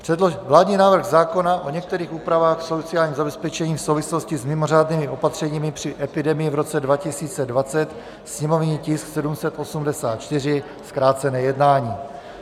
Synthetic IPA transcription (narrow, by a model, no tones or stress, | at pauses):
pr̝̥ɛdlovlaːdɲiːnaːvr̩ɣzaːko̞naʔo̞ɲɛk̚t̪ɛɾiːxuːpɾavaːxfsot͡sɪjaːlɲiːmzabɛspɛt͡ʃɛɲiːfsowvɪslo̞scɪzmɪmo̞r̝aːdniːmɪʔo̞pat̪r̝̥ɛɲiːmɪpr̥ɪʔɛpɪdɛmɪjɪvɾo̞t͡sɛdvacɪsiːt͡sɛdvat͡sɛt̪ | sɲɛmo̞vɲiːcɪsksɛdumsɛt̪ʔo̞sumdɛsaːt̪̚t͡ʃt̪ɪr̝ɪ | skɾaːt͡sɛnɛːjɛdnaːɲiː